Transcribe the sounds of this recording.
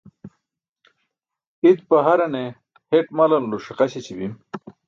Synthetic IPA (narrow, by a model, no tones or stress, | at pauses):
it̪̚pɐɦɐɾɐne | heʈmalɐnluɕiqaɕet͡ɕibim